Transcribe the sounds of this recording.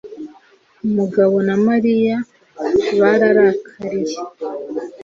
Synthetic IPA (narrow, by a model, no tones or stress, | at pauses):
umuɡaβo̞namaɾija | βaɾaɾakʰaɾiɾe